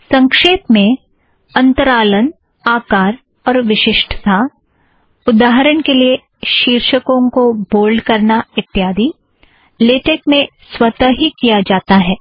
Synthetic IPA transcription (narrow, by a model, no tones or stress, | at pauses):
sɐ̃ŋkʃeːpmẽ | ɐ̃nt̪əɾaːlən | aːkaːɾ | ɔːɾʋɪʃɪʃʈʰt̪ʰa | ʊd̪aːɦɾənkelie | ʃiːɾʃəkõkoboːlɖkɐɾnaɪt̪ːɪjaːd̪i | leːʈeːkmẽ | swɐt̪əɦikijad͡ʒaːt̪aɦɛː